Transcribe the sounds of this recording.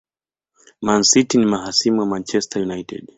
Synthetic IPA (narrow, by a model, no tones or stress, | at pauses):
mansitinimaɦasimuwamant͡ʃɛstajunaitɛ̰d